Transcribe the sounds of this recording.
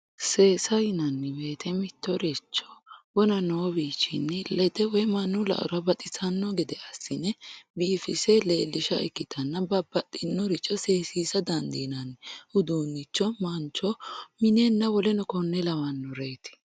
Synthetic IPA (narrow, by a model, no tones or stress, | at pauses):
se̞ːsɐjnɐnːɪbeːt̪ʰɛmɪt̪ːɔɾɛt͡ʃːɔ̥wɔnɐnoːbiːt͡ʃːɪnːɪlɛd̪ɛwɔmɐnːʊlɐ̰ʔʊ̰ɾɐbɐt̪ʼɪsɐnːɔɡɛd̪ɛʔɐsːɪnɛbiːfɪsɛleːlːɪʃɐ̰ɛkːɪt̪ʰɐnːɐbɐbːɐt̪ʼːɪnːɔɾɪt͡ʃːɔse̞ːsiːsɐd̪ɐnd̪iːnɐnʔʊd̪uːnːɪt͡ʃːɔmɐnt͡ʃːɔmɪnenːɐwɔlɛnɔkɔnːɛlɐwɐnːɔɾeːt̪ɪ̥